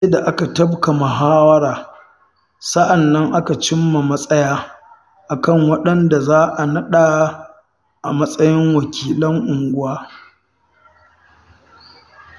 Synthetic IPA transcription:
se˦da˨ʔa˦ka˨tɐ˦bka˨ma˨ɦaː˦wɐ˦ɾaː˨ | sɐ˦ʔa˨nːɐ˦ŋʔa˦ka˨t͡ʃɪ˦mːa˨mɐ˦sʼɐ˦jaː˦ | ʔa˨kɐ˦˨ŋwɐ˦ɗɐ˦nda˨zaː˦ʔa˨nɐ˦ɗa˨˦ | ʔa̰˨mɐ˦sʼɐ˦jɪ˦ŋwɐ˨kʲʰiː˦˨lɐ˦ŋʔʊ˨ŋɡʷʊ˦waː˦

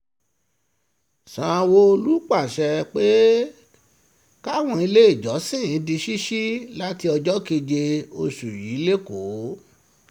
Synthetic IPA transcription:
sã˨˧wo˧o˧lu˦k͡pa˦˨ʃɛ˧k͡pe˦ | ka˦wɔ̃˧i˧le˦i˦˨d͡ʒɔ˨˦sĩ˦˨˦di˧ʃi˦ʃi˦la˦ti˧ɔ˧d͡ʒɔ˦ki˧d͡ʒe˧o˧ʃu˨ji˨˦le˦ko˨˦

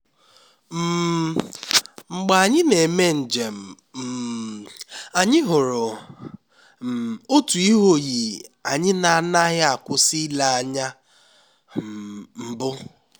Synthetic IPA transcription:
m̩˦˨ | ŋ͡m̩˨ɡ͡ba˨a˨ɲɪ˦ne˨me˦n̩˨d͡ʒe˨m̩˨ | m̩˨ | a˨ɲɪ˦ɦʊ˨ɾʊ˨ | o˦tu˨i˦ɦo˦ɣi˨a˨ɲɪ˦na˨a˦˨na˦ɦɪ˦a˨kʷʊ˦si˦la˨a˦˨ɲa˦ | m̩˨bʊ˦

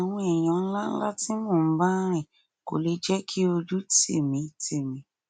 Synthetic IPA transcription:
a˨w̃ɔ̃˧ɛ˨j̃ã˨˦n̩˦la˦n̩˦la˦ti˦mɔ̃ː˦˨m̩˦ba˦ɾ̃ɛ̃˦˨ | ko̰˨le˨˦d͡ʒɛ˦kʰi˦o˧d͡ʒu˦tḛ˦˨mĩ˨˦te˦˨mĩ˨˦

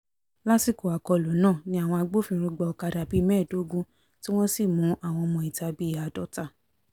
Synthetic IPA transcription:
la˦si˦˨ko˨a˨kɔ˧˨lo˨˦nãː˦˨nĩ˧˦a˦˨w̃ɔ̃˧a˧ɡ͡bo˦fĩ˧ɾ̃u˧ɡ͡bɔ˧ɔ˨ka˧da˨bi˦mɛ̃˦˨do˨˦ɡũ˦ | ti˦w̃ɔ̃˦si˦˨mũ˨˦ʔa˦˨w̃ɔ̃˧ɔ˧mɔ̃˧i˨ta˧˦bi˦˨a˨dɔ˨˦ta˧˨

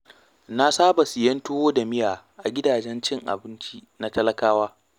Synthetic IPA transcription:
na˦saː˦ba˨sɪ˨jɐ˦nto˦oː˦da˨mɪ˦jaː˨ʔa˨ɡʲɪ˦daː˨d͡ʒɛ˦nt͡ʃɪ˦ŋʔa̰˨bɪ˦nt͡ʃi˦na˦tɐ˦lɐ˦kaː˦waː˦

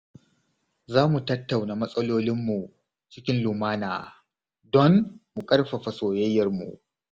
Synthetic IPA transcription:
zaː˦mu˨tɐ˦tːa˨wna˨mɐ˦sʼɐ˦loː˦lɪ˦mːu˨ | t͡ʃɪ˦kʲɪ˦nlu˨maː˦na̰ː˨ | dɔ˦ŋmu˨kʼɐ˦rɸɐ˨ɸa˨soː˨jɐ˦jːɐ˨rmṵ˨ʔ

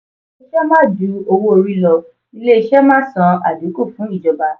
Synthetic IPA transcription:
i˦ʃɛ˦mãː˦˨du˨˦o˧wo˧o˧ɾi˧lɔ˧ | i˦le˦i˧ʃɛ˦mãː˦sã˧a˨du˨˦ku˦˨fũ˨˦i˦˨d͡ʒɔ˨ba˨˧

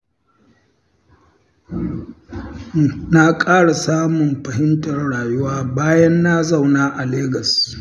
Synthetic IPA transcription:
na˦kʼaː˦ɽa˨saː˦mʊ˨mɸɐ˨hɪ˦ntɐ˨rɽaː˨jʊ˦waː˦baː˦jɐ˦nːa˦za˦˨wnaː˦ʔa˨leː˦ɡɐ˨s

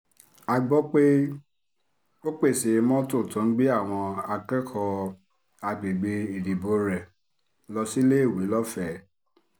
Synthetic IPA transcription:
a˧ɡ͡bɔ˦k͡pe˦ | o˦k͡pe˦˨se˨˧mɔ̃˦to˦˨tũ˨˦n̩˦ɡ͡bi˦a˦˨w̃ɔ̃˧a˧kɛ˦kʰɔ˧ | a˧ɡ͡be˨ɡ͡be˧i˨di˨bo˧ɾɛ˨ | lɔ˧si˦le˦˨wi˨˦lɔ˦fɛ˦˨

